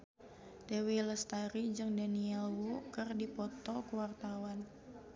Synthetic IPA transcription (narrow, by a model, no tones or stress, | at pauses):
d̥ewiləst̪aɾid͡ʒɨŋdaniɛlwukɨrdipɔt̪ɔkuwart̪awan